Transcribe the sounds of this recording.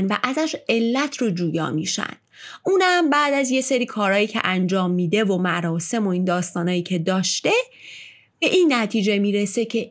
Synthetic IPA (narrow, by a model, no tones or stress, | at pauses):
nvæʔæzæʃe̞lːæt̪ʰrod͡ʒuːjɒ̰ːmḭːʃæ̰nd̥̪ | uːnhæmbæːd̪æzje̞seɾiːkʰɒːɾɒːjiːcʰe̞̰ʔænd͡ʒɒːmːiːd̪e̞vo̞mæɾɒːse̞mo̞ind̪ɒːst̪ɒːnɒːjiːcʰe̞d̪ɒːʃt̪e̞ | b̥e̞ʔiːnːæt̪ʰiːd͡ʒe̞miːɾese̞cʰe̞